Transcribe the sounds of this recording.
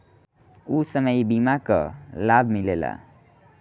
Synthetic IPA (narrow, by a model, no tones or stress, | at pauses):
usəməjbimakʌ̰labʱmilela̰